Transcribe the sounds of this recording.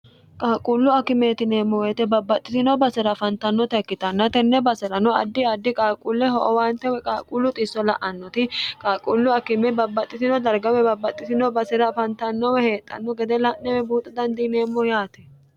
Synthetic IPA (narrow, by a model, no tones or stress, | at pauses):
kʼaːkʼuːlːʊɐkːɪmet̪ɪneːmːɔweːt̪ɛbɐbːɐt̪ʼːɪt̪ɪnɔbɐsɛɾɐfɐnt̪ɐnːɔt̪ɪɐkːɪt̪ɐnːɐt̪ɛnːɛbɐsɛɾɐnɔɐ̰d̪ːɪɐd̪ːɪkʼaːkʼuːlːɛɦɔʔɔwaːnt̪ɛwɛkʼaːkʼuːlːʊt̪ʼɪsːɔlɐʔɐnːɔt̪ɪkʼaːkʼuːlːʊɐkɪmɛbɐbːɐt̪ʼːɪt̪ɪnɔd̪ɐɾɡɐwɛbɐbːɐt̪ʼːɪt̪ɪnɔbɐsɛɾɐfɐnt̪ɐnːɔwɛhe̞ːt̪ʼːɐ̰nːɔɡɛd̪ɛlɐnnɛwɛbuːt̪ʼːɐd̪ɐnd̪ɪneːmːɔjaːt̪ɛ